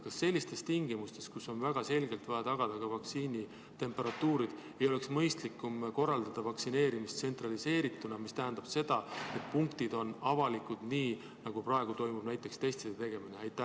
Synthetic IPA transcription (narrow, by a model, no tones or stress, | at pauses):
kɑsːe̞lʲːist̪e̞st̪iŋɡimust̪e̞skuso̞nvæɡ̥ɑse̞lɡe̞lt̪vɑjɑt̪ɑɡ̥ɑd̪̥ɑkɑvɑk̪siːnʲi | t̪e̞mpe̞ɾɑt̪ːuːɾid̪̥ | e̞jo̞le̞ksmɤ̞jst̪likːˑumko̞rːɑld̪̥ɑd̪̥ɑvɑksine̞ːɾimist̪se̞nt̪rɑlise̞ːɾit̪ːˑunɑmist̪æɦænd̪̥ɑb̥se̞d̪̥ɑe̞t̪̚puŋkt̪id̪̥o̞nɑvɑlikud̪̥niː | nɑɡ̥upɾɑe̞ɡ̥ut̪o̞jmub̥næjt̪ːˑe̞kst̪e̞jst̪sid̪et̪e̞ɡ̥e̞mineɑjt̪ːˑæ